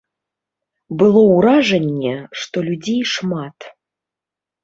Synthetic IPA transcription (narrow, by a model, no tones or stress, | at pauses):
bɨlˠɔwɾaʐɐnʲːɛʂt̪ɔlʲud͡zʲejʂmat̪